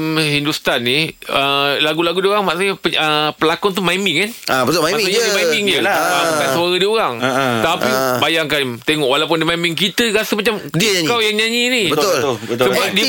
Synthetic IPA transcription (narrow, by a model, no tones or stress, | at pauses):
mɦindust̪anːiəlaɡulaɡudioɣaŋmaʔsəɲapəəpəlakɔnt̪̬umajmɪŋkanabət̪olmaasaɲadimajbɪŋd͡ʒəaabukansaɾədioɾaŋt̪apibajaŋkant̪eŋɔʔwalap̬ʊndimaimɪŋkit̪əɾasəmat͡ʃamdiɲkawjaŋɲaɲinibəoləsəbap̚di